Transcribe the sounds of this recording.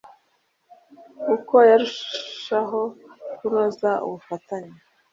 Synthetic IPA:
ukojaɾuʃʃaɦo̞kunozaṵβufataɲe

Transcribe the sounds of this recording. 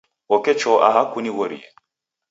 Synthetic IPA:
ɔkɛt͡ʃɔʔaɦakuniɣɔɾḭɛ̰

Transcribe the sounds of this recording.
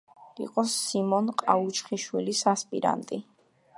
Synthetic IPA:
ḭqʼɔsimɔnqʼaut͡ʃʰχiʃwilisaspʼḭɾa̰nt̪ʼi

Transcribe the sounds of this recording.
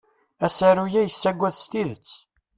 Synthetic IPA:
æsæɾujæjəsːæɡʷːæðst̪iðət͡sː

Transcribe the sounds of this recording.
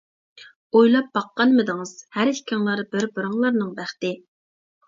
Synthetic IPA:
ojlˠɑp̚bɑqːɑnmɨd̪ɨŋɨz̥hæɾɪkʲʰɪŋlˠɑɾbɪɾbɨɾɑŋlˠɑɾnɨŋbæχt̪ɪ

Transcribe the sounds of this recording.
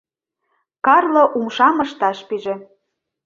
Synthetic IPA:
kɑrloʔumʃɑmɤ̆ʃt̪ɑʃpiʒĕ

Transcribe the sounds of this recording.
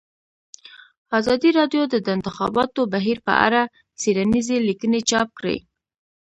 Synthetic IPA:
ɑzɑd̪iɾɑɖjod̪əd̪əɪnt̪ɪxɑ̰bɑt̪obaɦiɾpə̰ʔa̰ɾa | seɾanizelikənet͡ʃɑp̚kɽḛ

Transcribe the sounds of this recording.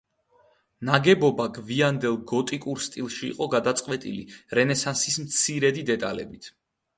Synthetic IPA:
naɡɛbɔbaɡviand̪ɛlˠɡɔt̪ʼikʼuɾst̪ʼilˠʃḭːqʼɔɡad̪at̪sʼqʼwɛt̪ʼḭlḭɾɛnɛsansismt̪sʰiɾɛd̪id̪ɛt̪ʼalɛ̰bit̪ʰ

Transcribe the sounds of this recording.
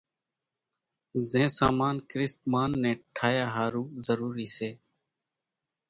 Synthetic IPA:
zẽːsaːmaːnkɾɪst̪maːnːẽːʈʰaːjaːɦaːɾuːzəɾuːɾiːseː

